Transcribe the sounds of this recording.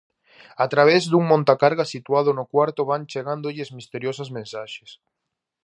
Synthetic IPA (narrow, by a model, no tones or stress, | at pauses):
at̪ɾaβ̞ezðuŋmõnt̪akaɾɣasit̪waðʊnʊkwaɾt̪ʊβant͡ʃeɣand̪oʎɪzmist̪eɾjosazmẽnsaʃe̥s